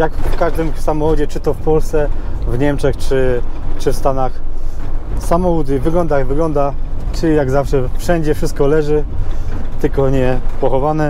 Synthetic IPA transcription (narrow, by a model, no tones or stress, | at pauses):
jakfkaʐd̪ɘmsamɔxɔd͡ʑɛt͡ʂɘt̪ɔfpɔlst̪sɛvɲɛmt͡ʂɛxt͡ʂɘt͡ʂɘfst̪anax | samɔwud̪ɘvɘɡlɔnd̪ajɡvɘɡlɔnd̪at͡ʂɘjaɡzafʂɛfʂɛɲd͡ʑɛfʂɘst̪̚kɔlɛʐɘ | t̪ɘlkɔɲɛpɔxɔvanɛ